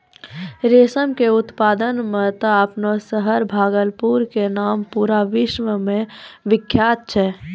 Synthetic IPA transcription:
ɾeːsəmkeʊt̪paːd̪ənmet̪əəpnosəɦəɾbʱaːɡəlpuɾkenaːmpuːɾaʋɪʃməmẽʋɪkʰːjaːt̪̚t͡ʃʰɛ

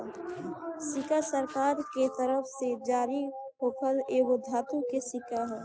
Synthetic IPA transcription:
sɪkasəɾkaːɾket̪əɾəfʰsed͡ʒaːɾi | ɦoːpʰəleːbod̪ʱaːt̪ũkesɪkaɦɛ̃ː

